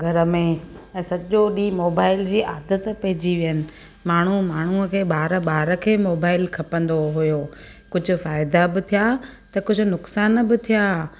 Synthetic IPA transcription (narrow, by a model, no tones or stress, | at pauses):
ɡʱɐɾə̆mẽɛ̃ːsɐʄoɗiːmoːbaːɪld͡ʑiːʔaːd̪ət̪pɐɦɪd͡ʑiʋijənɪ̆ | maːɳ̤umaːɳ̤uəkʰeːɓaːɾəɓaːɾə̆kʰeːmoːbaːɪlkʰɐpə̃nd̪oɦujoː | kʊd͡ʑʱʊ̆faːɪd̪abɪt̪ʰijaːt̪ɐkʊd͡ʑʱʊ̆nʊksaːnbɪt̪ʰijaː